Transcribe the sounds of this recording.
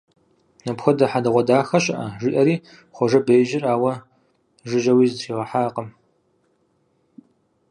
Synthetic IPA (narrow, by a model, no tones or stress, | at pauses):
nɐpxʷɐdɐħadɐʁʷɔdaːxɐɕʼɐʔɐʒɪʔɐɾiː | χʷɔʒɐbejʒɪraːwɐ | ʒɪʒɐwiːzɨtʰiːʁɐħaːqəm